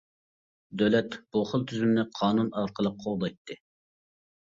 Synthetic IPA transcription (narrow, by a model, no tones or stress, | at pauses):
d̪ølɛt̪b̥uχəlˠt̪ʰyzymnɪqʰɑːnunɑɾqəlˠəqʰːolˠd̪ɑjt̪ʰːɨ